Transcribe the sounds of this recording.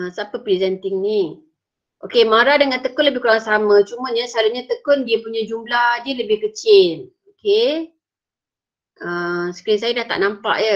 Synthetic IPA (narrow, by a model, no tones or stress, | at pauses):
sapəpɾizɛnt̪ɪŋni | ʔokemaɾadəŋant̪əkʊnləbɪhkuɾaŋsamãt͡ʃumə̃ɲəsəɦalaɲat̪əkʊndiəpuɲad͡ʒumlahdiələbɪhkət͡ʃɪl | oke | əmsə̥kəɾinsajadaht̪a̰ʔnampa̰ʔjə